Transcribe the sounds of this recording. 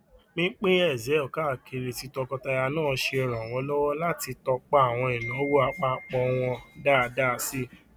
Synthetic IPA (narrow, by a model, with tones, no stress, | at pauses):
nĩ˦k͡pe˦ɛ˦˨zɛ˨˦ɔ˦˨ka˦˨ke˧˨ɾe˨ti˨˧tɔ˧kɔ˧ta˧ja˧nãː˦˨ʃe˧˨ɾã˨w̃ɔ̃˧˦lɔ˦wɔ˦la˦ti˧tɔ˧k͡pa˦a˨w̃ɔ̃˧i˨nũ˨˦ɔ˦wo˦a˧k͡pa˦˧k͡pɔ˧w̃ɔ̃˧da˦˨˧da˦˧si˦